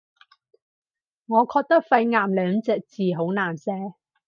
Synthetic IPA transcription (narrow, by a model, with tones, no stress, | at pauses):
ŋɔː˨˧kʰɔː˧k̚t̪ɐ˥k̚fɐ˧jŋaː˨mlœː˨˧ŋt͡sɛː˧k̚t͡siː˨ɦo˨˥wnaː˨˩nsɛː˨˥